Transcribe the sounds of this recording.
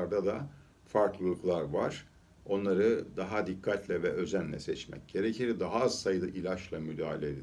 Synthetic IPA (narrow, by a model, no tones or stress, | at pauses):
aɾd̪ad̪a | faɾklˠɯlˠuklˠaɾvaɾ̥ | o̞nlˠaɾɯd̪aɦad̪ikʰːat̪lʲɛvɛʔø̞zænlʲɛ̰sɛt͡ʃmɛ̰c̚ɟ̥e̞ɾecʰiɾd̪aɦaːzsajɯd̪ˠɯʔilʲaʃlˠamyd̪aːɦalʲed̪i